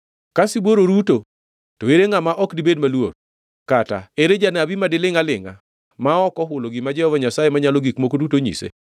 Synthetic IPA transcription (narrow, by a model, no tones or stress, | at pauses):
kasiboɾoɾuto | toeɾeŋamaʔɔkdibedmalwo̰ɾ | kata̰eɾed͡ʒanabimadɪlɪŋalɪŋa̰ | maɔkɔɦʊloɡɪmad͡ʒɛhɔvaɲasajemaɲalɔɡikmokodutoɲḭsḛ